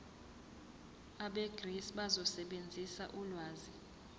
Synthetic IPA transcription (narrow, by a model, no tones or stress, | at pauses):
aɓeɡ̥ʱrisɓazɔsɛɓend͡zʱisaʔulwaːzi